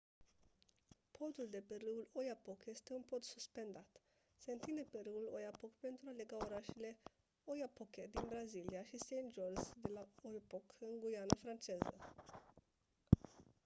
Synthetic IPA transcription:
pʰo̞t̪uld̪e̞peɾɨulo̞japo̞kje̞st̪e̞unpo̞t̪suspe̞nd̪at̪ | se̞ɨnt̪ine̞peɾɨulojapo̞kpe̞nt̪ɾuale̞ɡaoɾaʃele̞ | ojapoked̪inbɾaziliaʃisejnd͡ʒolzd̪e̞laojpokɨŋɡujanafɾant͡ʃe̞zə̰

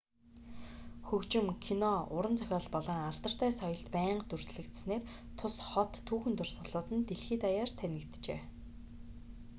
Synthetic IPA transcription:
xɵkt͡ɕɪ̆mkʰinɔʊɾə̆nt͡sʰœxʲɔːɮpɔɮɞ̆ŋaɮt̪ə̆r̥t̪æːsɔjɞ̆ɮt̪pæːɴɢt̪ɵrsɮɘ̆kt̪̆sneːr | t̪ʰʊsχɔt̪ʰːuːxɘ̆nt̪ɵrsɔɮʊːt̪ɘ̆nt̪eɮxiːt̪ajaːrt̪ʰænʲɪ̆kt̪t͡ɕḛː

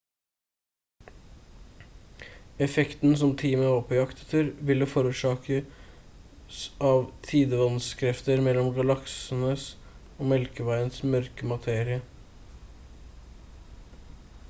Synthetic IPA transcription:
ɛfɛkt̪n̩sɔmt̪ʰiːməɔːpəjɑkt̪ə̥t̪ʰɪɾʋɪləfɔːɾʉːʂɑːkʰə | sɑːʋt̪ʰiːd̪əʋɑnskʰɾɛft̪əɾmɛlɔmɡɑlɑksən̩əs | oːmɛlkəʋæɪənsmœɾkəmɑt̪ʰeːɾɪə

